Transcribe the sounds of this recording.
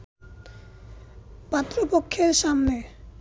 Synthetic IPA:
bat̪ːɾopokʰːeɾʃamne

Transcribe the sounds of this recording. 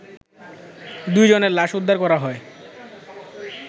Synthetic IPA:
d̪ujd͡ʑoneɾlaʃud̪ʱːaɾkɔɾaɦɔe

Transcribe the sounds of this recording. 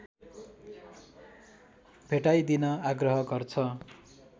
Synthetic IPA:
bʱeʈajd̪inʌaɡrʌɦʌɡʌrt͡sʰʌ

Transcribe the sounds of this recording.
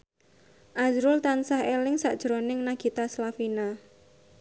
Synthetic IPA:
ʔazɾʊlt̪ansahelɪŋsaʔd̥ʒ̥ɾonɪŋnaɡ̥i̤t̪aslafina

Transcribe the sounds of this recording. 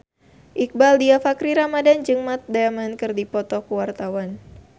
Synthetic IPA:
ʔik̚baldiafakɾiɾamadand͡ʒɨŋmat̪̚daamankɨrdipɔt̪ɔkuwart̪awan

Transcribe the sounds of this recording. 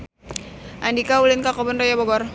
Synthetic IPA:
ʔandikaulɪnkakɔbənrɔjɔbɔɡɔr

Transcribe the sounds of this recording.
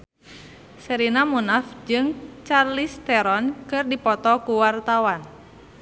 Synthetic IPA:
səɾinamunafd͡ʒɨŋt͡ʃarlist̪ɛɾɔnkɨrdipɔt̪ɔkuwart̪awan

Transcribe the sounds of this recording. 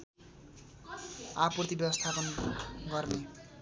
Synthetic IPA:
aprʌt̪ibjʌbʌst̪ʰapʌnɡʌrne

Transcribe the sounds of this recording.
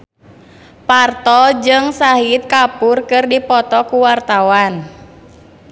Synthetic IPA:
part̪ɔd͡ʒɨŋsaɦit̪̚kapurkɨrdipɔt̪ɔkuwart̪awan

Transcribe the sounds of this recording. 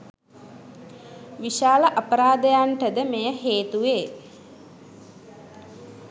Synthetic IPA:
ʋiʃaːləʔapəɾaːd̪əjaɳʈəd̪əmejəheːt̪uʋeː

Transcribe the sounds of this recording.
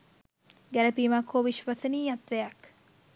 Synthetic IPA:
ɡælɐpiːmakoːʋiʃʋɐsɐniːɐt̪ʋejɐk

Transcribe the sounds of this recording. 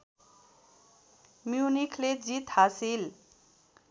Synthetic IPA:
mjunikʰled͡zit̪hasil

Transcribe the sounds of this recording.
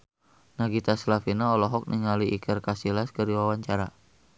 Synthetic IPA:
naɡit̪aslafinaɔlɔɦɔk̚nʔiŋaliʔikʰərkasilaskərdiwawaɲt͡ʃaɾa

